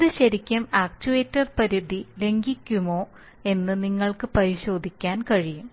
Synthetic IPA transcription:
ðɨɕɐɾikʲːɐmaːk̚t͡ɕuʋeːtːɐrpɐɾud̪ʱile̞ŋɡikʲːumo̞ː | e̞nːɨniŋːɐɭkɨpɐɾiɕo̞ːd̪ʱikʲːaːnkɐɻijum

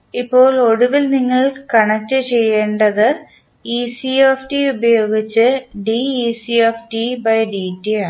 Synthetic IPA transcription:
ipːo̞ːɭo̞ɽuʋilniŋːɐɭkɐɳɐtːɨt͡ɕe̞jːeːɳɖɐðɨ | isiefʈiubɐjo̞ːɡit͡ɕːɨɖiisiefʈibɐjɖiːtːiaːɳ

